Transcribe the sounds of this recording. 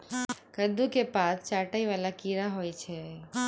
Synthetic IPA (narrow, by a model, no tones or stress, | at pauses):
kəd̪ukepat̪t͡ʃaʈaiʋalakiɾaɦojt͡ʃʰe